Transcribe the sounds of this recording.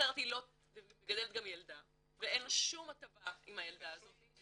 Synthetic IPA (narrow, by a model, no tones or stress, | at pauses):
eʁt̪ilo̞ | ɡadelet̚ɡamjeld̪a | vee̞nloʃumat̪ɐvaimhajeld̪aːzo̞t